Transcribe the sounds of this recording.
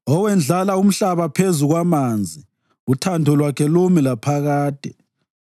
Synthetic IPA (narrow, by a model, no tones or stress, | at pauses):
ɔwɛnd͡ɮʱalaum̩ɬaβapʰezuɣwamaːnd͡zʱi | utʰantɔlwakʰɛlumilapʰaɣaːd̥ʱɛ